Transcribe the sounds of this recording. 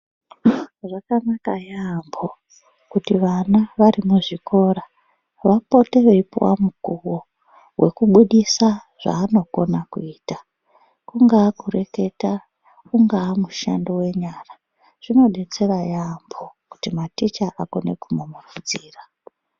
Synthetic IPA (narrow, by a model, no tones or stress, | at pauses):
ʐakanakajambo | kutiʋanaʋaɾimuʐikʰo̞ɾa | ʋapo̞te̞ʋeipwa̰mukuwo | wʔe̞kuɓuɗisaʐ̥a̰ːno̞ko̞nakuiːta | kuŋɡaːkure̞ke̞ta | kuŋɡaːmuʃa̰ndowe̞ɲaːra | ʐ̥ino̞ɗet͡seʋajambʱo̞ku̥timatit͡ʃaʔakonḛkumomufud͡ziːra